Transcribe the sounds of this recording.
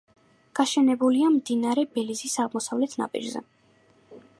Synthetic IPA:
ɡ̥aʃɛnɛbuliamd̪inaɾɛbɛlizisaʁmɔsavlɛt̪ʰna̰pʼḭɾzɛ̰

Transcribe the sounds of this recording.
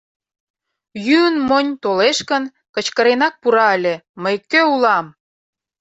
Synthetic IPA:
jyənmonʲt̪oleʃkən | kə̆t͡ɕkəɾenɑk̚puɾɑəlʲeməjkøulɑm

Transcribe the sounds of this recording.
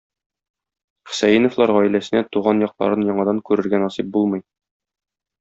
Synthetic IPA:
χə̥̆sæjinŏflˠɑɾʁɒilæsɘ̆næt̪uʁɑnjɒq̚lˠɑ̰ɾɤnjɒɴɑd̪ɑŋkʉɾɘ̆ɾɡænɒsip̚bulˠmɤ̆j

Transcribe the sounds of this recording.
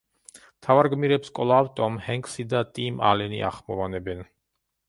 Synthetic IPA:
mt̪ʰavaɾɡmiɾɛpskʼɔlˠaːvt̪ʼɔmhɛŋksid̪at̪ʼima̰lɛnḭʔa̰χmɔvanɛbɛn

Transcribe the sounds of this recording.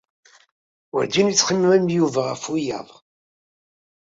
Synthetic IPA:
wə̰ɾd̪init͡sːχəmːæmjuvæʁəfujæ̰ðˤ

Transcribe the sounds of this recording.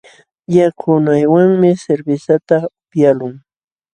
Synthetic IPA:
jakʰʊnajwaŋmɪseɾbɪsat̪apjalʊŋ

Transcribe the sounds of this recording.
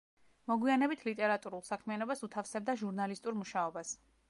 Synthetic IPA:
mɔɡwianɛbit̪ʰlit̪ʼɛɾat̪ʼuɾulˠsakʰmianɔbasut̪ʰafsɛb̚d̪aʒuɾnalist̪ʼuɾmuʃaɔbas

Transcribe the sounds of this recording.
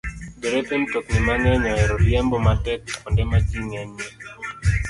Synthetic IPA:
deɾetemtoknimaŋɛɲɔɛɾɔljɛmbɔmatɛk̚ɔndɛmat͡ʃiŋɛnːi

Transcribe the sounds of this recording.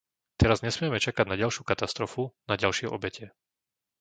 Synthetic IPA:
t̪ɛɾazɲɛsmɪɛmɛt͡ʃakaɟnaɟalʃukat̪ast̪ɾɔfunaɟalʃɪɛʔɔ̰bɛcɛ

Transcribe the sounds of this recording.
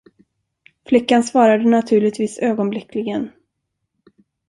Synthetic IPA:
flɪkːansvɑːɾad̪ənat̪ʰʉ̟ːɭɪt̪viːsøːɡɔnblɪkʰlɪɡən

